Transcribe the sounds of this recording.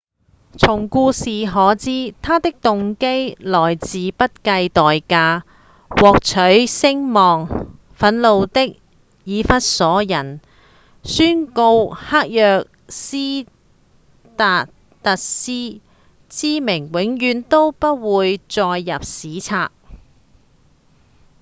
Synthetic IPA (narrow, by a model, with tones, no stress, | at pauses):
t͡sʰʊ˨˩ŋkuː˧siː˨ɦɔː˨˥t͡siː˥t̪ʰaː˥t̪ɪ˥k̚t̪ʊ˨ŋke˥jlɔː˨˩jt͡siː˨pɐ˥t̚kɐ˧jt̪ɔː˨jkaː˧ | wɔː˨k̚t͡ʃʰɵ˨˥ɥsɪ˥ŋmɔː˨ŋ | fɐ˨˥nlo˨˧wt̪ɪ˥k̚ | jiː˨˧fɐ˥t̚sɔː˨˥jɐ˨˩n | syː˥nko˧whaː˥k̚jœː˨k̚ | siː˥ | t̪aː˨˧ | t̪ɐ˨t̚siː˥ | t͡siː˥mɪ˨˩ŋwɪ˨˥ŋjyː˨˧nt̪o˥wpɐ˥t̚wuː˨˧jt͡sɔː˧jːɐ˨p̚siː˨˥t͡sʰaː˧k̚